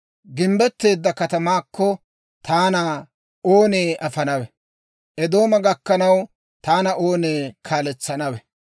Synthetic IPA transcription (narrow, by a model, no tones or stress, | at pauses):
ɡɪmbɛt̪ːe̞ːd̪ːɐkɐt̪ɐmaːkʰːɔ | t̪ʰaːna | oːne̞ːʔɐfɐnɐwɛ | ʔɛd̪o̞ːmɐɡɐkːɐnɐw | t̪aːnɐʔo̞ːneːkʰaːlɛt͡sːɐnɐwɛ